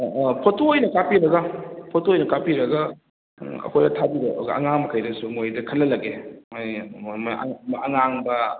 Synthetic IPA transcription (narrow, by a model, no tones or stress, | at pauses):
pʰotoojnɐkapiɾɐɡɐpʰotoojnɐkapiɾɐɡɐ | ɐ̰kʰojɐtʰabiɾḛɡɐ̰ɐ̰ŋaŋmɐkʰajɾɐsumojdɐkʰɐnlːɐlɐɡemajm̰mɐŋaŋbɐ